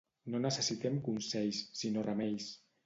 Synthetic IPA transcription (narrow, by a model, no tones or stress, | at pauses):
nonəsəsit̪ɛmkunsɛjsːinorəmɛjs